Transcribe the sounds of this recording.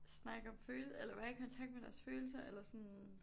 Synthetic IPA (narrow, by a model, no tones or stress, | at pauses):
snɑ̈ɡ̥ɒ̽mføːlelɐʋæɐikʰɒ̽nt͡sʰɑ̈ɡ̥d̥̚med̥æɐsføːl̩s̬ɐelɐsɔ̽n